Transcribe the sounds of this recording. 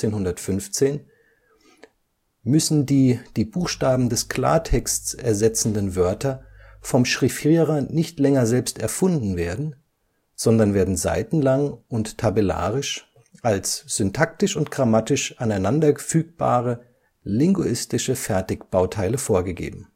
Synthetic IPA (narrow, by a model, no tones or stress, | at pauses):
eːnhʊndɐtfʏnft͡seːn | mʏsn̩diːd̥iːbuːxʃtaːbm̩dɛskʰl̥a̰ːɐtʰɛkstsɛɐzɛt͡sn̩dənvœɐtɐ | fɔmʃʁ̥ifiːʁɐnɪçtlɛŋɐzɛlpstɛɐfʊndn̩veːɐdn̩ | z̥ɔndɐnveːɐdn̩za̰ɪtn̩laŋʊnttʰːabela̰ːʁɪʃ | ʔalsz̥ʏntʰak̚tɪʃʊntɡ̥ʁamatɪʃʔanaɪnandɐəfyːk̚b̥a̰ːʁə | lɪŋɡuɪstɪʃəfɛɐtɪkb̥aʊtʰaɪləfoːɐɡəɡḛːbm̩